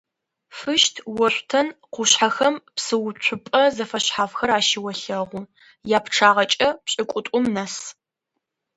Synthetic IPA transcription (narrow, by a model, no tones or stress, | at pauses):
fɨʃtʰwɔɕʷtʰɐnqʷʊɕħaxɐmpsɨwʊt͡ɕʷʰʊpʼɐzɐfɐɕħaːfxɐɾaːʃɪwɐɬɐʁʷʊ | jaːpʰʈ͡ʂʰaːʁɐt͡ʃʼɐpɕʼɪkʷʼʊtʷʼʊmnɐs